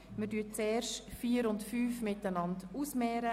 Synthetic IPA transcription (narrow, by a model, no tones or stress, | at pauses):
mədyːt͡sɛːɾʃtfiːəɾʊntfyːfmɪtːənɑnduːsmɛːɾə